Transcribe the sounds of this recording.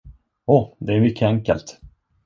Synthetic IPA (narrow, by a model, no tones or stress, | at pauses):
ɔd̪ɛæɾmʏkʰːəɛŋkəlt̪